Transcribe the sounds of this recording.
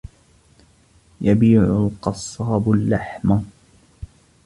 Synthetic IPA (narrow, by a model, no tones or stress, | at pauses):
jabiːʕʊlqɑsˤːɑːblːaħma